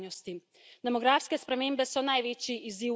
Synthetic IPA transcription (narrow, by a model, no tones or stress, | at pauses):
ɔst̪i | d̪ɛmɔɡɾaːfskɛspɾɛmeːmbɛsɔnajʋeːt͡ʃiʔiziː